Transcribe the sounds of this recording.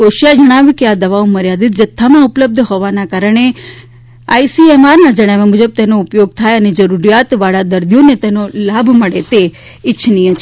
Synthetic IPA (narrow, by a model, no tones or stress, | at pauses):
koʃijad͡ʒəɽ̃aʋjukead̪əʋaoməɾjad̪it̪̚d͡ʒət̪ʰːamãʊpləb̚d̪ʱɦoʋanakaɾəɳ̃e | aːisiemaɾnãd͡ʒəɽ̃aʋemʊd͡ʒəb̚t̪enoʊpjoɡ̚t̪ʰajəned͡ʒəɾuɾijat̪ʋaɭad̪əɾd̪ijonet̪enolabʱməɽet̪e | ɪtːʃʰnijə̃t͡ʃʰ